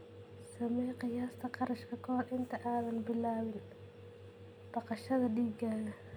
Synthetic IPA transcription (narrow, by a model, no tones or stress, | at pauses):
sɐmɛjqɪjaːst̪ʰɐqɑɾɐʃkʰɐkʰɔːrʔɪnt̪ʰɐʔaːðɐnbɪlaːwɪn | b̥ɑqɑʃɐðɐɗiːɡaːɣɐ